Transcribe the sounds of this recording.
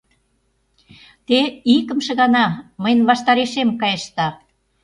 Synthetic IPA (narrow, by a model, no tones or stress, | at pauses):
t̪eikə̆mʃĕɣɑnɑməjnβɑʃt̪ɑɾeʃemkɑjeʃt̪ɑ